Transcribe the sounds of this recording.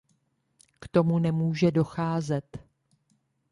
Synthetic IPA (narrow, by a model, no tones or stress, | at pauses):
kt̪o̞munɛmuːʒɛdo̞xaːzɛt̪